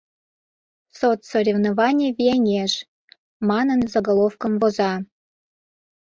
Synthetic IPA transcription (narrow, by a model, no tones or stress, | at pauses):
sot̪soɾʲevnovɑnʲijəβʲienʲeʒ | mɑnənzəɡolˠofkəmvozɑ